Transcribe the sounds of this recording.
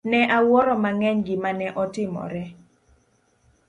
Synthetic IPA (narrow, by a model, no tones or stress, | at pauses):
nɛʔawɔɾɔmaŋɛɲɡɪmanɛʔɔtɪmɔ̰ɾɛ